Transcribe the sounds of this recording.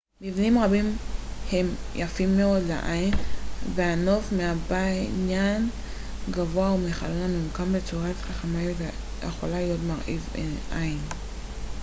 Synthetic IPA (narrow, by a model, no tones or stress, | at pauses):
mivnimʁabimhe̞mjʔafimːeo̞dlḛʔajinveano̞fmeabainjan | ɡavoaumeχalonamimukambet͡suʁatχaχamajuta | jḛχolalijo̞tmaʁʔiveʔain